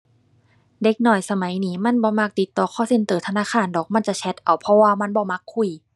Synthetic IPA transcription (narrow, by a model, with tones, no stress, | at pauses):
de˧˦k̚nɔ˨˩jsa˧ma˨˦jniː˨˦˥ma˧˥˨nbɔː˧˦ma˧˩k̚t̪i˨˧˦t̪ːɔː˧˩kʰːɔː˧˩se˧˩nt̪ɤː˨˩t̪ʰa˧naː˧˥˨kʰaː˧˥˨ndɔː˨˩k̚ma˧˥˨nt͡ɕa˨t͡ɕʰɛ˧˦˥t̪̚ʔa˨˩wpʰɔ˧waː˧ma˧˥˨nbɔː˧˦ma˧˥kʰːu˧˩˨j